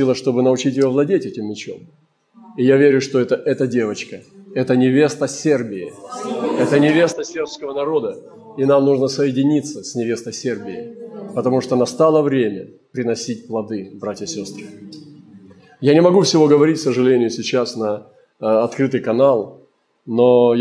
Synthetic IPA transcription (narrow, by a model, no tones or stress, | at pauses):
ilˠəʂt̪o̞bɨnəʊt͡ɕitʲjovlˠɐdʲetʲɛtʲɪmːʲɪt͡ɕo̞̰m | ɪjavʲeɾʲʊʂt̪oɛt̪əʔɛt̪ədʲe̞vət͡ɕkəɛt̪ənʲɪvʲe̞st̪əsʲe̞rbʲɪɪ̰ | ɛt̪ənʲɪvʲe̞st̪əsʲe̞rpskəvənɐɾo̞d̪ə | inamnuʐnəsəjɪdʲɪnʲit̪səsʲnʲɪvʲe̞st̪əjsʲerbʲɪɪpət̪ɐmuʂt̪onɐst̪alˠəvɾʲemʲə̰ | pɾʲɪnɐsʲit̚ʲplˠɐd̪ɨbɾatʲjəsʲo̞st̪ɾɨ | janʲɪmɐɡufsʲɪvo̞ɡəvɐɾʲitʲsəʐɨlʲenʲɪjʊsʲɪt͡ɕasnə | ɐt̪kɾɨt̪ɨjkɐnalˠ | no